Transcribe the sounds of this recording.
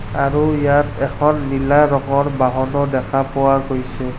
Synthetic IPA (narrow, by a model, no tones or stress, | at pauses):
aɹujatɛkʰɔnlilaɹɔŋɔɹbaɦɔnɔdɛkʰapʊwaɡojsɛ